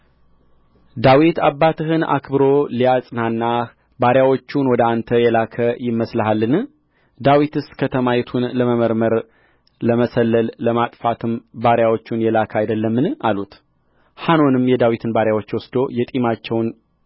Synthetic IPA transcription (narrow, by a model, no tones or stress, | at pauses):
d̪awit̪abːat̪ʰɨɦɨna̰kʰbɨɾoliasʼɨnanːa | baɾjawot͡ʃːunwɔd̪əant̪ʰəjɛlakʰəjɪmːəsləɦalːɨnɨ | d̪awit̪ɨskʰət̪ʰəmajɛt̪ʰunləməməɾməɾ | ləməsəlːəlːəmat̪ʼfat̪ʰɨmbaɾjawo̞t͡ʃːunjɛlakʰəajd̪əlːəmːɨnʔalut̪ | hano̞nɨmjɛd̪awit̪ʰɨnbaɾjawo̞t͡ʃːwɔsd̪o̞jɛt̪ʼimat͡ʃːɛwn